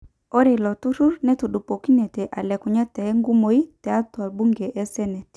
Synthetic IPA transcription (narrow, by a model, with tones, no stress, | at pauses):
o˦ɾi˨lɔ˨tu˦ɾu˦ɾnɛ˦tu˨ɗu˨po˨ki˦nɛ˨tɛ˨ʔa˨lɛ˨kʊ˨ɲa˦tɛ˨˦ŋɡu˦mo˨i˦tɛ˨a˦tɔ˨a˨bu˦ŋɡe˨ʔɛ˦sɛ˦nɛ˨t